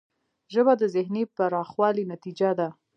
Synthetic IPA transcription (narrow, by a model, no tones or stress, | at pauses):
ʒəbad̪əzɪhnepaɾɑxwɑlinat̪id͡ʒad̪a